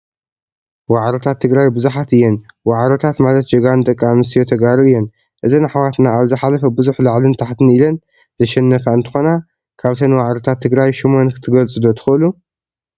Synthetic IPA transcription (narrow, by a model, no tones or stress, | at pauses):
waʕɾot̪ʰat̪ʰːɨɡɾajbɨzuħat̪ɨjːɛnwaʕɾo̞t̪ʰat̪malɐt̪̚d͡ʒɐɡand̪ɐkʼːanɨst̪ijo̞t̪ʰɐɡaɾɨɨjːɛn | ʔɨzinaħawat̪naaβzɨħalɐfɐbɨzuħlaʕlɨnt̪ʰaħt̪ʰɨnilɐn | zɐʃɛnːɐfaɨnt̪ʰɨ̥xo̞na | kʰaβt̪ʰɐnwaʕɾo̞t̪ʰat̪ʰːɨɡɾajʃimo̞nkʰɨ̥t̪ʰɨɡɐlt͡sʼɨd̪ot̪ʰɨ̥xɨɨlu